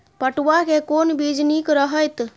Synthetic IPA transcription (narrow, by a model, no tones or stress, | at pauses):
pəʈʋakekonbid͡ʒnikɾəɦəjt̪